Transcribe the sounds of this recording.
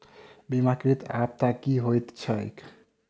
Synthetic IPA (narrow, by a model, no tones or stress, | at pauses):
bimakɾit̪ap̚t̪akiɦojt̪t͡ɕʰɔḛk